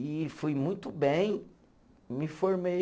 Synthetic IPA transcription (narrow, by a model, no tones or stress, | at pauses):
ɪfujmũj̃t̪ʊbẽj̃ | mɪfoɾme